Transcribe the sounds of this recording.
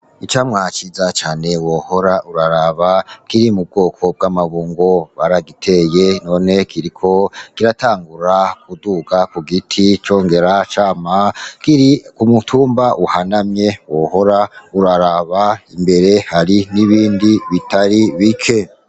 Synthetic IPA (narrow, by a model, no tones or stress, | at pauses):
it͡ʃamŋat͡ʃizat͡ʃaːne̞woho̞ɾaʔuɾaɾaβakiɾimub̚ɡo̞ːkʰo̞b̚ɡamaβuːŋɡo̞βaɾaɡitʰe̞je̞no̞ːne̞kʰiɾikʰo̞kiɾataːŋɡuɾakuduɡakuɡitʰit͡ʃo̞ːŋɡe̞ɾat͡ʃaːmakiɾikumutʰuːmbaʔuhanamɲe̞woho̞ɾauɾaɾaβaimbe̞ɾe̞haɾiniβiːndiβitaɾiβikʰe̞